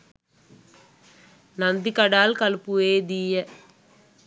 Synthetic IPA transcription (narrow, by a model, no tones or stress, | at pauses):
nɐnd̪ikɐɽaːlkɐlpːueːd̪iːjɐ